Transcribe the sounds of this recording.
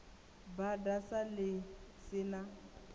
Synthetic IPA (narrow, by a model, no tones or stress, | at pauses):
badasalɪsɪna